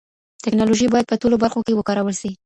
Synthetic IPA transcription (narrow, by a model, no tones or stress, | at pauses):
t̪ɪknɑloʒibɑjad̪̚pəʈolobaɾxokewəkɑɾawəlʃi